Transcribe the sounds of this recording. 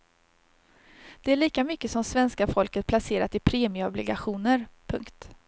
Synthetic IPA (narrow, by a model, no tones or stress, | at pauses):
d̪̥ɛæɭiːkamʏkːəsɔmsvɛnskafɔlkət̪̚pʰlaseːɾa̰t̪ɪpʰɾeːmɪəɔblɪɡaɧuːnəɾpʰɵŋkt̪